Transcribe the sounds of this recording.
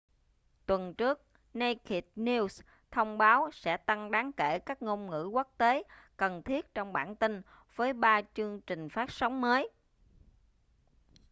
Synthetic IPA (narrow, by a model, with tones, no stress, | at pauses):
t̪wə˨˩nt͡ɕɨ˦˥ək̚ | na˧jki˨˩t̚ni˧ws | t̪ʰə˧wŋ͡mɓaː˨˦wsɛ̰˧˥t̪a˧ŋɗaː˨˦ŋke˧˩kaː˦˥k̚ŋo˧mŋɨ̰˧˥kə˦˥k̚t̪e˨˦kə˨˩nt̪ʰi˦˥ət̚t͡ɕɔ˧wŋ͡mɓa̰ː˧˩˨nt̪ï˧ŋ̟ | v̥əː˨˦jɓaː˧t͡ɕɨ˧əŋt͡ɕï˨˩ŋ̟faː˦˥t̚sa˨˦wŋ͡mməː˨˦j